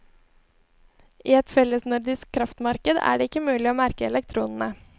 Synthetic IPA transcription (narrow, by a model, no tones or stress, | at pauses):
ʔiːɛt̪fɛlːəsnʉɾd̪ɪskʰːɾɑft̪mɑɾkəd̪æ̰ːɖeːɪkːəmʉːlɪoːmæɾkəɛlɛkt̪ʰɾuːnn̩ə